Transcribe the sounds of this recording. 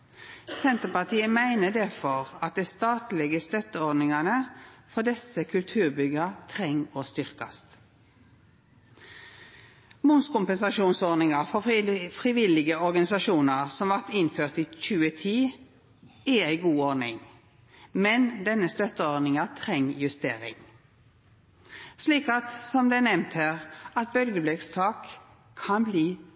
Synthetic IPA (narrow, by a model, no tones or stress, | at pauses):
sɛnt̪əpɑʁt̪ʰiːəmæɪnəd̪æfɔʁɑt̪̚d̪æɪst̪ɑːt̪lɛɡəst̪œt̪əɔɾd̪nɪŋɑnəfɔd̪ɛsəkʰʉlt̪ʰʉːʁbʏɡət̪ʰʁɛŋoːst̪ʏʁkɑ̰st̪ | mʊnskʊmpɛnsɑʃuːnsɔɾdnɪŋɑʁfɔfʁɪʋɪlɪɡəɔɾɡɑnɪsɑʃuːnəʁsɔmʋɑʁt̪ɪnføːʁt̪iːc͡çʉːət̪ʰiː | ææɪɡuːonɪŋ | mɛnd̪ɛnəst̪œt̪əɔɾnɪŋɑt̪ʰʁɛŋjʉst̪ḛːʁɪ̰ŋ | sliːkɑt̪sɔmd̪ɛnɛmt̪hæːʁɑt̪̚bœlɡəblɛɡst̪ʰɑːk | kʰːɑnbliː